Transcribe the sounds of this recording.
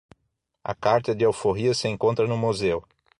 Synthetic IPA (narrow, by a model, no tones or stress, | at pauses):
ɐ̰kaɾt̪ɐd̪ɪawfoɦiɐsɪẽŋkõnt̪ɾɐnʊmozew